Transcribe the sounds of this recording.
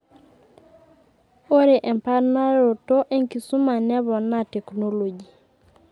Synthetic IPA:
o˦ɾe˨ʔɛ˨mpa˦ɾna˦ɾo˨to˦ʔe˦ŋki˨su˦ma˨nɛ˦βɔ˨na˦te˨kno˦lo˨d͡ʒi˨

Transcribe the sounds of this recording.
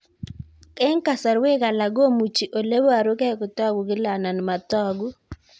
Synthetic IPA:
kɛ˦ŋka˨sa˨ɾwe˦ka˨la˨ɡo˦mu˨t͡ʃi˨ʔo˨le˦wo˦a˨ɾu˦kɛ˦kʊ˨tɔ˦ɡu˨ɡɪ˦la˨na˨n˨ma˨tɔ˦ɡu˦

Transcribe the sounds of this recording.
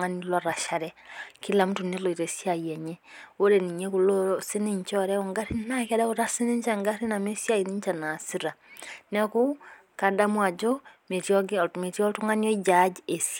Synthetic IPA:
ŋa˦nilwɔɾa˨ʃa˨ɾɛkila˨m̩u˦tu˨ne˦lɔ˨i˨ɾɛsi˦ajɛɲɛ˦o˦ɾɛni˨ɲɛ˦kulosi˦ni˦ɲt͡ʃɔ˦ɾɛ˦ɔŋɡa˦ɾi˦na˦kɛ˦da˦uɾa˦si˦ni˦ɲt͡ʃaŋɡa˦ɾi˦na˨me˦sja˦ini˦ɲt͡ʃa˨na˨si˦ɾa˨nɛku˦ | ka˨da˦mwa˨d͡ʒɔ˦me˨tjɔɡme˨tjɔ˦tu˦ŋa˦ni˦ɔ˦i˦d͡ʒad͡ʒie˨si

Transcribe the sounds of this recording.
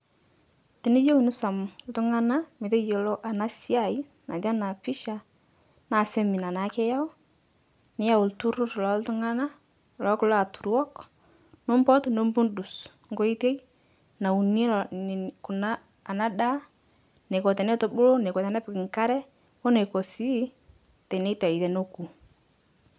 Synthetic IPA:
ti˨ni˦jo˦wnu˦sa˨mʊ˨ltu˦ŋa˦na˦mɪ˨te˦je˨lo˦ʔa˨na˦si˦a˦˨i˦ | na˨da˦na˨pi˦ʃa˨ | na˦˨se˦mi˨na˨na˨˦ke˦ja˦o˦ | nɪ˦ja˦˨wʊ˨ltu˦ɾu˦ɾlɔ˨˦ltu˦ŋa˦na˦ | lɔ˨˦klɔ˦a˨tu˨ɾwɔ˦k | no˦m˦bɔ˦tno˦mbu˦ndu˨s | ŋɡo˦i˦te˦j | na˨u˨ni˦n˨ku˨naː˦˨ | na˦da˦ | ne˨ko˨tɛ˨nɛ˦to˨bʊ˦lo˦ne˨kɔ˨ta˨nɛ˦pɪ˨kŋka˦ɾɛ˦ | o˦ne˨ko˨si˦ | tɛ˨ne˦te˨i˨te˨no˦ku˨

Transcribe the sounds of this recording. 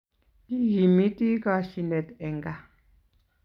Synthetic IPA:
i˦ɣi˨mi˦t̪i˦ka˨ʃi˨nɛ˨t̪ɛ˨ŋɡa˦˨

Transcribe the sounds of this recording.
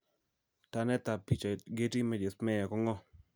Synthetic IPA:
ta˨nɛ˦t̪a˨pi˦t͡ʃa˨ɡe˦ti˦mɛ˦d͡ʒe˨smɛ˦ja˨kɔ˦ŋɔ˦

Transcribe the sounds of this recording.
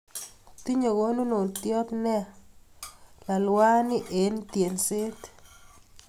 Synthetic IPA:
t̪i˦ɲo˨ɡo˦nu˦no˨t̪jɔ˦t̪nɛ˦ | la˨lwa˦nɪ˦ʔe˨nt̪je˨nsɪ˦t

